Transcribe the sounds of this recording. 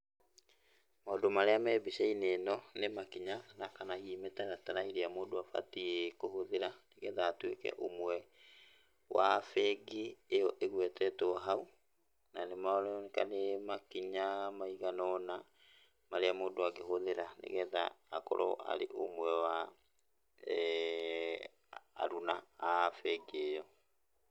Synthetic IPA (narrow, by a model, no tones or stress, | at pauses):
maɔdɔmaɾeamɛːbisɛinenɔnemakiɲanakanahiːmetaɣataɾaiɾeamoːdoafa̰tiekohoðeɾaneɣɛðaːtwekɛ̰ʔomwɛ | wʔafɛɡiejɔʔeɣwɛtɛtoɔɦau | nanemaɔɾɛneka̰nemakiɲamaiɣanɔna | maɾeamoːdoaɡeɦoðeɾanḛɣɛða̰ːkɔ̰ɾɔ̰ʔa̰ɾḛʔo̰mwɛwa | ɾunaːfɛɡeejɔ